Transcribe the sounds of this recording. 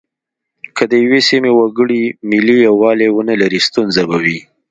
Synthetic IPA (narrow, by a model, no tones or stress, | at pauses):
kʰəd̪əjwesimewaɡəɽimɪlijawɑlewənəlaɾist̪unzabawi